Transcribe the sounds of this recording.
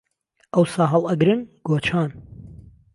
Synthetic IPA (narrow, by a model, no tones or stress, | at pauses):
ʔɐwsaːɦɐlˠɐɡɾɨnɡ̥oːt͡ʃʰaːn